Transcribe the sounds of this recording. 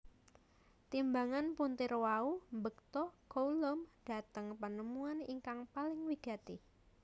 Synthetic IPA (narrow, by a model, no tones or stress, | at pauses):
t̪imbaŋanpunt̪ɪrwaumbək̚t̪ɔkoulɔmd̥a̤t̪əŋpənəmuaniŋkaŋpalɪŋwiɡ̥a̤t̪i